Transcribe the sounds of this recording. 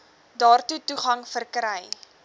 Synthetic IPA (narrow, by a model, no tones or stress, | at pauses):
dɑːrtutuχɐŋfərkɾəj